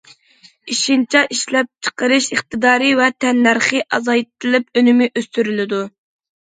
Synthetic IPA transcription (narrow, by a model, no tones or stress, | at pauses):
iʃint͡ʃʰɛʔiʃlɛp̚t͡ʃʰə̥qəɾɨʃəχt̪ɨd̪ɑːɾɨvɛt̪ʰɛnːæɾχɨʔɑzɑjt̪ʰɨlˠɪp̚ønɪmɪʔøst̪yɾylɪd̪u